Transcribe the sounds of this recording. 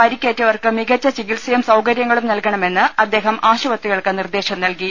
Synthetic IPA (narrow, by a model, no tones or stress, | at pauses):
pɐɾikʲːeːtːɐʋɐrkɨmiɡɐt͡ɕːɐt͡ɕikilsɐjɐmsɐwkɐɾjɐŋːɐɭumnɐlkɐɳɐme̞nːɨɐd̪ːe̞ːɦɐmʔaːɕɐʋɐt̪ːiɣɐɭkɨnird̪e̞ːɕɐmnɐlki